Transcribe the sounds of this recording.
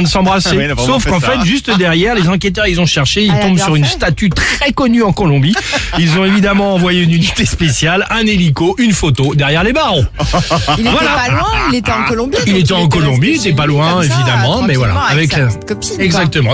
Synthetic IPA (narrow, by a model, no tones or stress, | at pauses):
sɑ̃bʁasesofkɑ̃fɛt̪ʒyst̪d̪ɛʁjɛʁlezɑ̃k̬ʲɛt̪œʁilzɔ̃ʃɛʁʃeilt̪ɔ̃bsyʁynst̪at̪yt̪χɛkɔnyɑ̃kɔlɔ̃biilzɔ̃evid̪amɑ̃ːvwajeynynit̪espesjalɛ̃nelikoʔynfot̪od̪ɛʁjɛʁlebaʁõ | ivwalalwɛ̃ilet̪ɛɑ̃kɔlɔ̃biilet̪ɛɑ̃kɔlɔ̃biet̪ɛpalwɛ̃evid̪amɑ̃mɛvwalaːvɛkt̪kɔpiɛɡzak̚t̪əmɑ̃